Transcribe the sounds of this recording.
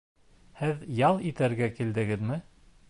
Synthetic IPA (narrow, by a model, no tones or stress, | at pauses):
hɘðjɑlˠit̪æɾɡækild̪ɘ̆ɡɘðmɘ